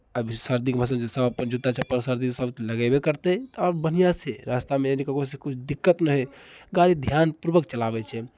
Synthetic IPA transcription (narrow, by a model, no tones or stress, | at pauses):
əbʱisəɾd̪ikbʱəs̬əbd͡ʒesəbəpːənd͡ʒut̪at͡ʃʰɛpəɾsəɾd̪isəb̪ləɡɛbekəɾt̪ɛt̪ɔɾbənijasʰeɾast̪ameenikəkosekut͡ʃʰd̪ikːət̪nəɦɛɡaɾid̪ʱjanpuɾbəkt͡ʃəlabɛt͡ʃʰɛ